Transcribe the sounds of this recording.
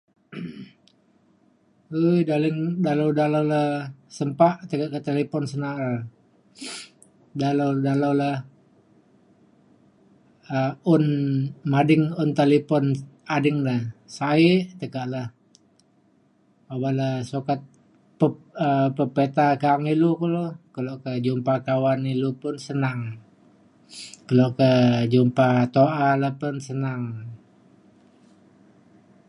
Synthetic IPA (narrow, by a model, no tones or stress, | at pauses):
ujdalɪŋdalawdalawlahsəmpaʔt̪əkaʔkat̪elepɔnsəna | dalawdalawlah | əʊnmadɪŋʊnt̪elipɔnadɪŋdahsaɪʔt̪əkaʔlah | abalasokat̪̚ | pəəpəpet̪akaaŋilukəlokəloʔkəd͡ʒumpakawanilupʊnsənaŋ | kəloʔkəd͡ʒumpat̪oʔalapʊnsənaŋ